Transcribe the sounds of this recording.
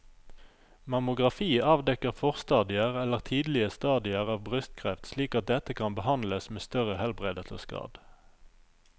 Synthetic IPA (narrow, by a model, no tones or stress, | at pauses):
mɑmʊɡʁɑfiːɑːʋd̪ɛkəʁfɔʁst̪ɑːd̪ɪəʁɛləʁt̪ʰiːd̪l̩ɪəst̪ɑːd̪ɪəʁɑːʋbʁʏst̪kʰʁɛft̪sliːkɑt̪̚d̪ɛt̪əkʰɑnbəhɑnləsmeːst̪œʁəhɛlbʁeːd̪ət̪ʰə̰skɑ̰ːd̪̥